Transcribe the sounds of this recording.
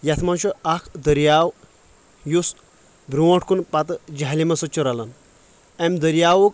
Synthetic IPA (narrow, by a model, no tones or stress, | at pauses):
jɐt̪ʰmɐnt͡ʃʰuakʰd̪əɾjaːw | jus | bɾuwõʈʰkunpɐt̪ɨd͡ʒaɦlimɐsɐt͡ʃʰːuɾalɐn | emd̪əɾjaːwuk